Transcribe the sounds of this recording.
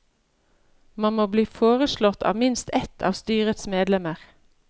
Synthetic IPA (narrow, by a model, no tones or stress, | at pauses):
mɑnmoːbliːfoːʁəʃlɔt̪ʰɑ̰ːʋmɪnst̪ɛt̪ʰɑ̰ːʋst̪yːʁət̪smeːd̪lɛməʁ